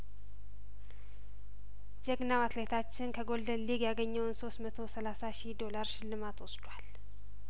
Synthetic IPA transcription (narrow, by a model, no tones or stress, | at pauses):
d͡ʒɛɡnawat̪let̪ʰat͡ʃːɪnkʰəɡo̞ld̪ənliɡjaɡəɲːəwnso̞st̪mət̪ʰo̞səlasaʃid̪o̞laɾʃɪlːɨmat̪wosd̪wal